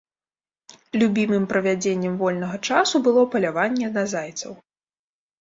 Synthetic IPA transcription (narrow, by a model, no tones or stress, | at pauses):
lʲubʲimɨmpɾɐvʲad͡zʲenʲːɛmvɔlʲnɐɣɐt͡ʂasubɨlˠɔpɐlʲavanʲːɛnazajt̪sɐ̰w